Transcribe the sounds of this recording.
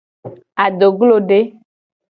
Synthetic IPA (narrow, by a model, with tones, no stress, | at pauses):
a˨ɖ̪o˨ɡlo˦ɖe˦